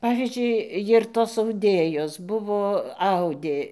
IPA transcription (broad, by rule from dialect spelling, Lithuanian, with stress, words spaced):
ˈpɑːʋʲiːzʲd͡ʒʲʊɪ ˈjɪr toːs ɐʊˈdʲeːjoːs ˈbʊʋoː ˈɐʊdʲeː